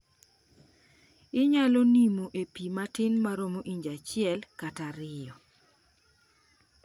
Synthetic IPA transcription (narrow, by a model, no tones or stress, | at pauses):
ɪɲalonimoʔepimatɪnmaɾomoʔiɲd͡ʒat͡ʃɪɛlkataɾɪjɔ